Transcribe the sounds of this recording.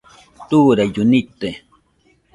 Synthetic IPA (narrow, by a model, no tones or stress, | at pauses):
t̪uːɾajʊnit̪e